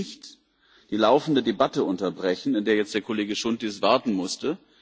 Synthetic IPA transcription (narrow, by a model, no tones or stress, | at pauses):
ɪçt | d̥iːlaʊfn̩dədebatəʔʊntɐbʁɛçn̩ɪndeːɐjɛt͡std̥eːɐkʰoleːɡəʃʊntisv̥aɐtn̩mʊstə